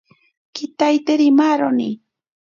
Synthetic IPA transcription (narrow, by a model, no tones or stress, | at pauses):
kɪt̪ajt̪eɾɪmaɾonḭ